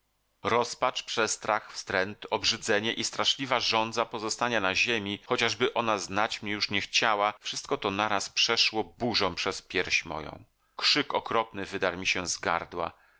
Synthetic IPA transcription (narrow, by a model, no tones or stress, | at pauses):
ɾɔspat͡ʂpʂɛst̪ɾaxfst̪ɾɛnt̪ɔbʐɘd̪zɛɲɛʔist̪ɾaʂlʲivaʐɔnd̪zapɔzɔst̪aɲanaʑemʲixɔt͡ɕaʐbɘʔɔnaznat͡ɕmɲɛjuʂɲɛxt͡ɕawafʂɘst̪̚kɔt̪ɔnaɾaspʂɛʂwɔbuʐɔ̃pʂɛspʲjɛɾɕmɔ̰jɔ̰̃w̃ | kʂɘkɔkɾɔpnɘvɘd̪aɾmʲiɕɛzɡa̰ɾd̪wa̰